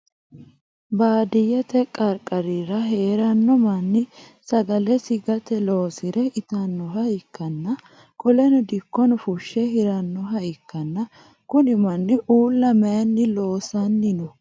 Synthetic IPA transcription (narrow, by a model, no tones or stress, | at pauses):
baːd̪ɪjɛt̪ɛkʼɐɾkʼːɐɾiɾɐɦe̞ːɾɐnːɔmɐnːɪsɐɡɐlɛsɪɡɐt̪ɛlo̞ːsɪɾɛʔɪt̪ɐnːɔɦɐɪkːɐnːɐ | kʼɔlɛnɔd̪ɪkːɔnɔfʊʃːɛhɪɾɐnːɔɦɐɪkːɐnːɐ | kʊnɪmɐnːɪʔuːlːɐmɐjɐnːɪlo̞ːsɐnːɪnɔ